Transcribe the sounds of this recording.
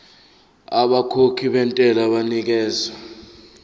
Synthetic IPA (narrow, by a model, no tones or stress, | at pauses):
aɓakʰokʰiɓɛntʼɛlaɓanik̬ɛːza